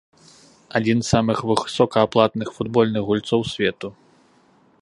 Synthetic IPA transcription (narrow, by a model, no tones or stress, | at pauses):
ad͡zʲinsːamɨxvɨxsɔkɐːplˠat̪nɨxfud̪bɔlʲnɨɣɣulʲt̪sɔwsʲvʲɛt̪u